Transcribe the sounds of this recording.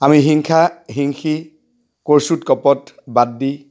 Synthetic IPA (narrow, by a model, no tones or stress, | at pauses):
amiɦiŋkʰaɦiŋxi | koɹsutkɔpɔt | badːi